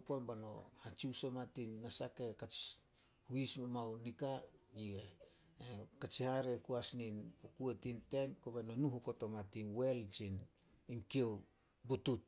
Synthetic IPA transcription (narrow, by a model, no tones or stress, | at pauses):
panbano̞̰hat͡ʃiusomatinːasake̞kat͡ʃ | huismamawnikajie | ekat͡ʃihaɾekuasninpokuetinte̞nkobanonuɦukotomatinwe̞lt͡ʃin | inkiow | butut̚